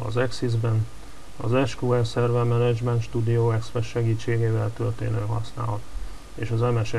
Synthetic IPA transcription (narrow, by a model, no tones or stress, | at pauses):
ɒ̰zɛksizbɛn | ɒ̰zɛʃkuɛlsɛrvɛmɛnɛd͡ʒmɛnt̪ʃt̪uːd̪ijoːɛkspɛʃʃɛɡiːt͡ʃːeːɡeːvɛlt̪ørt̪ḛːnøːɦɒsna̰ːlɒt̪ | eːʃɒzɛmɛʃ